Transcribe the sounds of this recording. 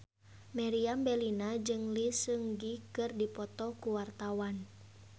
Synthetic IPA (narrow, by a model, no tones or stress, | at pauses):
mɛɾiambɛlinad͡ʒɨŋlisəŋɡikɨrdipɔt̪ɔkuwart̪awan